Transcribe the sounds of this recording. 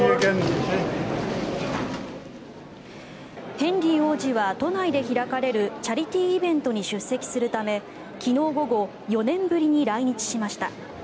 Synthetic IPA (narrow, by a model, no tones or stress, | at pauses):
hẽ̞nɾʲio̞ːʑiβat̪o̞naid̪e̞çiɾakaɾe̞ɾɯ̟t͡ɕaɾʲit̪ʲiːbẽ̞nt̪o̞ɲ̟iɕɨsːe̞kʲi̥sɨɾɯ̟t̪ame̞ | kʲino̞ːɡo̞ɡo̞ | jo̞nẽ̞mbɯ̟ɾʲiɲ̟iɾaiɲ̟it͡ɕi̥ɕimaɕi̥t̪a